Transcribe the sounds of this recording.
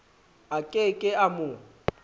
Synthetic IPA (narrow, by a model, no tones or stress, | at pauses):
akʼekʼɪamʊ